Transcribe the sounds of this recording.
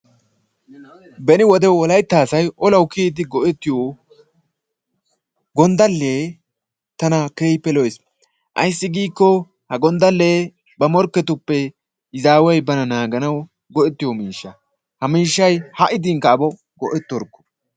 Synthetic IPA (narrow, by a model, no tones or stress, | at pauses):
bɛnɪwɔd̪ɛwɔlɐjt̪ːaːsɐjɔlɐwkiːd̪ɪɡɔʔɛt̪ːɪjo | ɡɔnd̪ɐlːeː | t̪ɐnɐkeːjpːɛlɔjs | ʔɐ̰js̬ːɪɡiːkːɔ | hɐɡɔnd̪ɐlːeː | bɐmɔɾkːɛt̪ʊpːɛ | ɪzaːwɔjbɐnɐnaːɡɐnɐw | ɡɔʔɛt̪ːɪjɔmiːʃːɐ | hɐmiːʃːɐjhɐʔɪd̪ɪŋkɐːbɔ | ɡɔʔɛt̪ːɔɾkːɔ̥